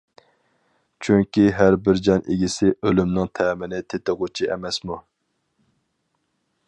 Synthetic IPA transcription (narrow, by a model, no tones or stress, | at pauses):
t͡ʃʰyŋkʲiɦæɾbɪɾd͡ʒɛnʔeɡʲisɪʔølymnɪŋt̪ʰɛːmɪnɪt̪ʰet̪ɨʁut͡ʃʰiʔɛ̰mɛsmu